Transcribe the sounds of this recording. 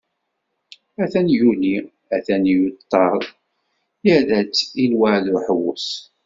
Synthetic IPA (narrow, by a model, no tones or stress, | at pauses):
æθænjuni | æθænjut̪ˤːɑɾˤ | jəɾæt͡sːilwaʕðʊħəwʊ̰s